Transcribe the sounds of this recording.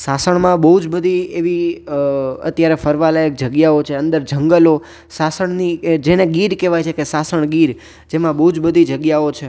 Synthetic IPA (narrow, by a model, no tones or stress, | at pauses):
sasəɳmãbəɦud͡ʒbəd̪ʱieʋi | ə̰t̪jaɾefəɾʋalaək̚d͡ʒəɡjaot͡ʃʰeənd̪əɾd͡ʒʱəŋɡəlo | sasəɳnid͡ʒeneɡiɾkɛʋajt͡ʃʰekesasəɳ̃ɡiɾ | d͡ʒemãbəɦud͡ʒbəd̪ʱid͡ʒəɡjaot͡ʃʰe